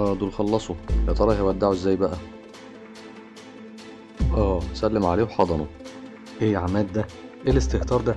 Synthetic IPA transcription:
ʔæːd̪ulxɑlːɑsˤojæt̪ˤɑɾˤɑhæwæd̪ːaʕoʔezːæːjːbæʔæ | ʔæːsælːemʕaleːwħɑd̪ˤɑnu | ʔejʕamæːld̪æʔelest̪eht̪ɑːɾˤd̪æ

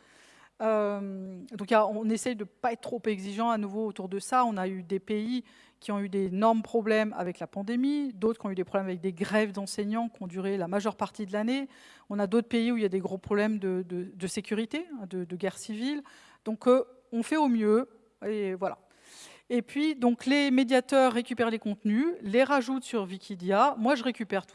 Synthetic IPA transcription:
ømd̪ɔ̃kjaɔ̃nesɛjd̪əpaɛt̪̚ːt̪ːχopɛɡziʒɑ̃anuvoːt̪uʁd̪əsaɔ̃nayd̪epei | kʲʰiɔ̃yd̪enɔʁmpχɔblɛma̰vɛklapɑ̃d̪emid̪ot̪χkʲiɔ̃yd̪epχɔblɛmavɛk̚d̪eɡʁɛvd̪ɑ̃sɛɲmɑ̃kʲiɔ̃d̪yʁelamaʒœʁpaʁt̪id̪əlane | ɔ̃nad̪ot̪χpeiuiljad̪eɡʁopχɔblɛmd̪əd̪əd̪əsekʲyʁit̪eɛ̃d̪əd̪əɡʲɛʁsivil | d̪̥ɔ̃k | ɔ̃fɛomjø | evwala̰ | epɥid̪ɔ̃klemed̪jat̪œʁːekʲypɛʁlekɔ̃t̪nyleʁaʒut̪syʁvikʲid̪jamwaʒəʁekʲypɛʁt̪

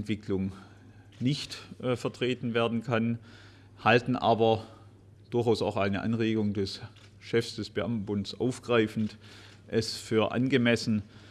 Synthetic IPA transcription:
ntv̥ɪkʰlʊŋ | nɪçtːfɛɐtʁ̥eːtn̩veːɐdn̩kʰan | haltn̩ʔaːbɐ | d̥ʊɐçaʊsaʊxʔaɪnəʔa̰nʁeːɡʊŋdɛs | ʃɛfsd̥ɛsb̥əʔamtn̩bʊndsʔaʊfɡ̥ʁaɪfn̩t | ʔɛsfyːɐʔa̰nɡəmɛsn̩

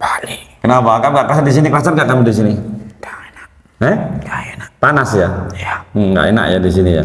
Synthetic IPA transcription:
balikənabakanɡaʔkəɾasadis̬inikəlasanɡaʔkamidis̬inid̥ana | hɛɡaenapanasjajaŋɡa̰ʔḛna̰ʔja̰disinija̰

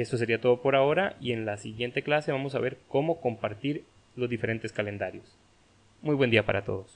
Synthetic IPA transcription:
est̪o̞s̬e̞ɾiat̪o̞ðopo̞ɾao̞ɾaie̞nlasiɣjent̪eklase̞βamo̞saβe̞ɾko̞mo̞ko̞mpaɾt̪iɾ | lo̞zðife̞ɾe̞nt̪e̞skale̞nd̪aɾjo̞s | mujβwend̪iapa̰ɾat̪o̞̰ðo̞s

